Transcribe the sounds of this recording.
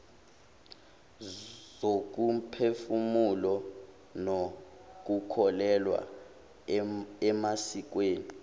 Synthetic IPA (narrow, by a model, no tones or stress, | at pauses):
zok̬umpʰefumulɔ | nok̬ukʰɔlɛlwa̰ | ɛmasik̬weːni